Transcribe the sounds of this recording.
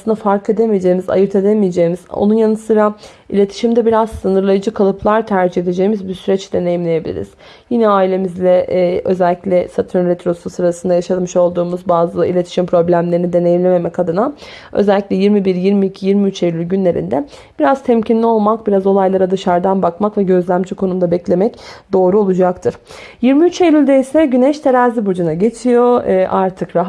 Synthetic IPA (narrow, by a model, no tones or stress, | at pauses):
sɯnd̪afaɾkʰe̞d̪emijed͡ʒe̞jimiza̰jɯɾt̪ʰe̞d̪emijed͡ʒe̞jimizo̰nunjanɯsɯɾa | ilʲe̞t̪ʰi̥ʃimd̪ɛbiɾaz̥sɯnɯɾlˠajɯd͡ʒɯkʰalˠɯpʰlˠaɾt̪ʰæɾd͡ʒihe̞d̪ed͡ʒe̞jimizbisyɾɛt͡ʃd̪e̞ne̞jimlʲeje̞bilʲḭɾḭz̥ | jinɛaːilʲe̞mizlʲɛø̞̰zælʲːiclʲɛsat̪ʰyɾɾet̪ɾo̞susɯɾasɯnd̪ajaʃat̪mɯʃo̞lˠd̪uːmuzbaːzɯḭlʲe̞t̪ʰi̥ʃimpʰɾo̞blʲæmlʲe̞ɾinid̪e̞nejimlʲeme̞mɛcad̪ɯna | ø̰zælʲːicʲlʲɛjiɾmibiɾjiɾmiːcʰijiɾmiyt͡ʃejlʲylʲɟynlʲe̞ɾḭnd̪ɛ | b̥iɾazt̪ʰɛmcʰinlʲio̞lˠmakbiɾazo̞lˠajlˠaɾad̪ɯʃaɾd̪anbakmakvɛɟø̞zlʲæmd͡ʒikʰo̞numd̪abɛclʲe̞mɛcd̪̥o̞ːɾuo̞lˠud͡ʒakt̪ʰɯɾ̥jiɾmiyt͡ʃejlʲylʲd̪eisɛɟynɛʃt̪ʰeɾaːzibud͡ʒunaɟe̞t͡ʃʰijo̞ʔaɾt̪ʰɯkɾaɦ